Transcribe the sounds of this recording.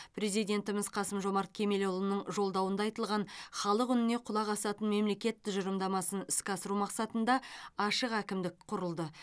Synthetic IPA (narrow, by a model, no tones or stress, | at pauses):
pʰɾe̞zijd̪ʲe̞nt̪ɪmɪzqʰɑsəmʒo̞mɑɾt̪̚kʲʰe̞me̞lolˠənːəɴʒo̞lˠd̪ɑwənd̪ɑjt̪əlˠʁɑnχɑlˠəqʏnɪne̞qʰʊlˠɑqɑsɑt̪ənme̞mle̞kʲe̞t̪ːɪʒʊɾəmd̪ɑmɑsənɪskʲɑsəɾumɑqsɑt̪ənd̪ɑɑʃəqækʲɪmd̪ɪk̚qʰʊɾəlˠd̪ə